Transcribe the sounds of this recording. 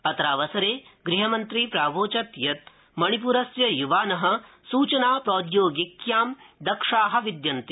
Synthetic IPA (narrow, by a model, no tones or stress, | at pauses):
ɐt̪ɾaːʋɐsɐɾeːɡɾiɦɐmɐnt̪ɾipɾaːʋoːt͡ʃɐt̪jɐt̪ | mɐɳ̃ip̬uɾɐsjɐjuʋaːnɐɦɐ̆ | suːt͡ʃɐnaːpɾoːd̪joːɡikjaːmd̪ɐkʂaːɦɐ̆ʋid̪jɐnt̪i